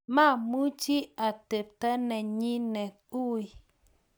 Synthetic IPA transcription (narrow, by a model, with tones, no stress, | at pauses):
ma˦˨mu˦t͡ʃi˦a˨te˨p̚tə˦nɛ˨ɲi˦nɛ˨ | u˦i˨